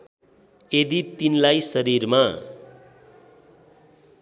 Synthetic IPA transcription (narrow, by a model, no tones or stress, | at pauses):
ed̪it̪inlajsʌɾirma